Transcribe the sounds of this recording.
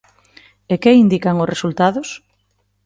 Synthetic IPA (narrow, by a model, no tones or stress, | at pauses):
ekeind̪ikaŋosresult̪aðʊs